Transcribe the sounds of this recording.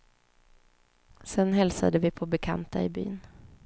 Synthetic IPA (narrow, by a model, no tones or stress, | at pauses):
sɛnɦɛlsa̰d̪əvɪpʰɔbɛkʰa̰nt̪a̰ɪby̰ːn